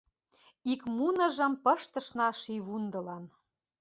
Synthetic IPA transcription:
ikmunə̆ʒə̆mpɤ̆ʃt̪ə̆ʃnɑʃiβund̪ɤ̆lɑn

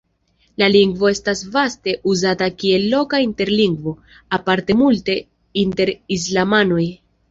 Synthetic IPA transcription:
laliŋɡvo̞e̞stasvaste̞ʔuzatakie̞lːo̞kainte̞ɾliŋɡvo̞ | apaɾte̞multe̞ | inte̞ɾis̬lamano̞j

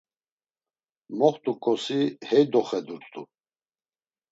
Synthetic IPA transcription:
mɔχt̪ʼukʼɔsihɛjd̪ɔχɛd̪uɾt͡sʼt̪ʼu

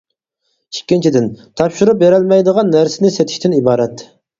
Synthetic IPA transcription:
ikʲːint͡ʃʰid̪ɪnt̪ʰɑpʃuɾup̚beɾɪlmɛjd̪əʁɑnːæɾsɪnɪset̪ʰɪ̥ʃt̪ʰɪnibɑːɾɛt̪

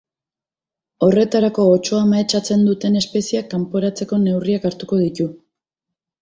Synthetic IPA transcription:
o̞re̞t̪aɾako̞ːt͡ʃo̞amaet͡ʃat͡se̞nd̪ut̪e̞ne̞spe̞siakːampo̞ɾat͡se̞ko̞ne̞wriakaɾt̪uko̞ð̞it̪u

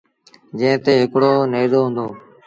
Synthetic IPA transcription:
d͡ʒẽːt̪eːɦɪkɽoːneːzoːɦʊ̃nd̪oː

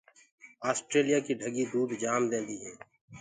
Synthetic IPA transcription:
aːsʈɾeːlijakiɖʱəɡid̪uːd̪d͡ʒaːmd̪ẽːnd̪iɦɛː

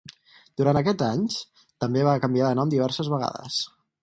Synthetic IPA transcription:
d̪̥uɾant̪əkɛd͡zaɲt͡ʃ | t̪əmbeβ̞akəmbiaðənɔmd̪iβ̞ɛɾsəzβəɣa̰ðə̰s

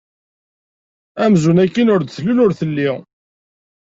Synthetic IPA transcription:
æmzunækːinʊɾd̪θlunʊɾθəlːiʁ

